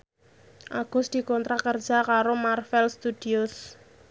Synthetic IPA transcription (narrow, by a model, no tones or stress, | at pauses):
ʔaɡ̥ʊ̤sd̪̥i̤kɔnt̪ɾakər̥d͡ʒ̥a̤kaɾomarfɛlst̪ud̪̥iʊs